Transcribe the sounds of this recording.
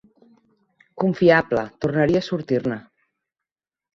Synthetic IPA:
kuɱfiablət̪urnəɾiəaːsuɾt̪iɾnə

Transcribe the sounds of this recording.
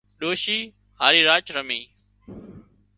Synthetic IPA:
ɗoːʃiː | haːɾiːɾaːt͡ʃɾəmiː

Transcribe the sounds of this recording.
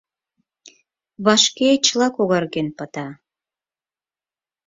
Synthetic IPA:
βɑʃket͡ɕlɑkoɣɑrɣenpət̪ɑ

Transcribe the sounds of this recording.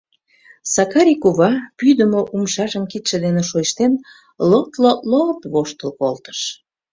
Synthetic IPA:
sɑkɑɾʲikuβɑpyd̪əmoʔumʃɑʒəmkit̪ʃĕd̪eneʃojəʃt̪en | lok̚t̪lolot̪βoʃt̪əlkolt̪ə̥ʃ

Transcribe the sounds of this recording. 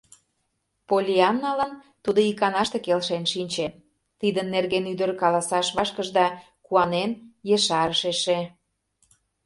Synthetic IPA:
polʲiɑnːɑlən | t̪ud̪oikɑnɑʃt̪ekelʃenʃinʲt͡ɕen | t̪id̪ənːerɣenyd̪əɾkɑlɑsɑʃβɑʃkəʒd̪ɑ | kuɑnenjeʃɑɾəʃeʃe

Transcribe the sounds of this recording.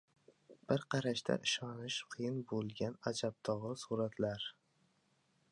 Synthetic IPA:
b̥ɪɾqʰɑɾaʃt̪ʰa̰ʔɪʃɒnɪʃqʰɨjɪnbolˠɡʲanad͡ʒab̚t̪ʰɒʁɨsuɾat̪ʰlaɾ

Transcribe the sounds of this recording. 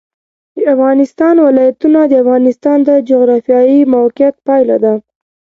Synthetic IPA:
d̪əafɣɑnɪst̪ɑnwɪlɑjat̪unad̪əafɣɑnɪst̪ɑnd̪əd͡ʒoɣɾɑfjɑjimawqɪat̪̚pɑjlad̪a

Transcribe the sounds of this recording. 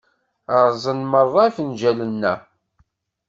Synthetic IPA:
əɾˤzˤənmərˤːɑfənd͡ʒælənːæ

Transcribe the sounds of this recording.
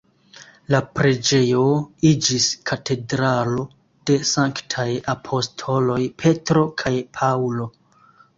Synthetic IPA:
lapɾed͡ʒe̞jo̞id͡ʒiskʰatʰe̞dɾalo | d̥e̞saŋktʰajapʰo̞stʰo̞lo̞jpʰe̞tɾo̞kʰajpʰawlo̞

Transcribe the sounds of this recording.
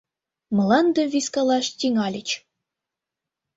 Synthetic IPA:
mɤ̆lɑnd̪ɤ̆vʲiskɑlˠɑʂtʲiŋɑlʲət͡ɕ

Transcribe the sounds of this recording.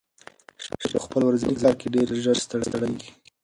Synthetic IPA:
ʃpəxpəlwɾazinizɑɾkeɖeɾʒəɾst̪əɽst̪əɽaɡi

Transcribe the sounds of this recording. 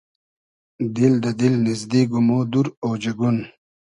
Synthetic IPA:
d̪ild̪ɐd̪ilnizd̪iɡumoːd̪uɾoːd͡ʑeɡun

